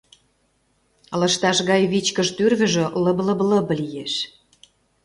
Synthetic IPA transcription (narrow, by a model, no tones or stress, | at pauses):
lə̆ʃt̪ɑʃɣɑjβit͡ɕkə̆ʃt̪yrɣə̆ʒølə̆blə̆blə̆blijeʃ